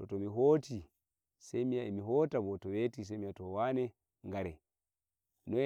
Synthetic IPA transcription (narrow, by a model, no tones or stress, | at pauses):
tɔtɔmiɦoti | semijaimiɦoːtaβɔtɔwetis̬ɛmijatɔwanɛ | ŋɡaɾɛ | nɔ